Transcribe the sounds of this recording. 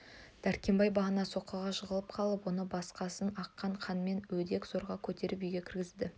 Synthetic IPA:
d̪̥æɾkʲe̞mbɑjbɑʁənɑso̞qɑʁɑʃəʁəlˠəp̚qʰɑlˠəpwo̞nəbɑsqɑsənɑqːɑɴqʰɑnme̞nwɵd̪e̞kz̥o̞ɾʁɑkʲʰɵt̪e̞ɾɪpijɡʲe̞kʲɪɾɡʲɪzd̪ɪ

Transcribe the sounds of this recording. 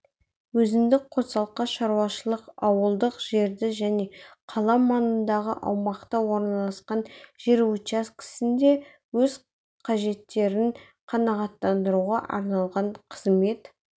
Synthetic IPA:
wɵzɪmd̪ɪk̚qʰot̪sɑlˠqːɑʃɑɾwɑʃəlˠəqɑwəlˠd̪əqʒ̥e̞ɾd̪ɪʒæne̞qʰɑlˠɑmɑnənd̪ɑʁə̰ʔɑ̰wmɑqt̪ɑwo̞ɾnɑlˠɑsqɑnʒ̥eɾuaskʲʰɪ̥sɪnd̪e̞ | wɵz | qʰɑʒe̞t̪ːe̞ɾɪɴ | qʰɑnɑʁɑt̪ːɑnd̪əɾuʁɑʔɑ̰ɾnɑlˠʁɑɴqʰəzme̞t̪

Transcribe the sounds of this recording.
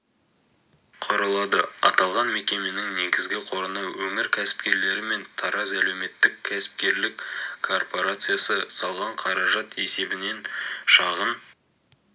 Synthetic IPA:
qʰoɾɑlˠɑd̪əɑ̰t̪ɑlˠʁɑnme̞kʲe̞me̞nɪŋne̞ɡʲɪzɡʲɪqʰo̞ɾənɑwwɵŋɪɾkʲʰæsɪ̥pkʲe̞ɾle̞ɾɪme̞nt̪ʰɑɾɑzæle̞wme̞t̪ːɪkʲʰːæsɪ̥p̚kʲe̞ɾlɪkʰo̞rpo̞ɾat̪sɨjasəsɑlˠʁɑɴqʰɑɾɑʒɑt̪e̞se̞bɪne̞nʃɑʁəm

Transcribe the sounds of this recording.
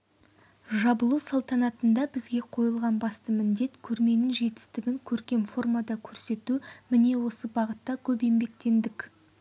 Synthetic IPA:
ʒɑbəlˠusɑlˠt̪ɑnɑt̪ənd̪ɑbɪzɡʲe̞qʰo̞jəlˠʁɑnbɑst̪əmɪnd̪e̞t̪kʲʰɵɾme̞nɪŋʒe̞t̪ɪ̥st̪ɪɡʲɪŋkʲʰɵɾkʲe̞mfo̞rmɑd̪ɑkʲʰɵɾse̞t̪umɪne̞wo̞səbɑʁət̪ːɑkʲʰɵpe̞mbe̞k̚t̪e̞nd̪ɪk

